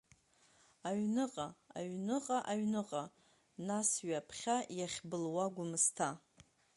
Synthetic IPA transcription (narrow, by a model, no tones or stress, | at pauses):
aɥnɨqʼaa̰ɥnɨqʼaʔaɥnɨqʼa | nasɥapʰχʲajaχʲbɨlwaɡʷʊmɨstʰa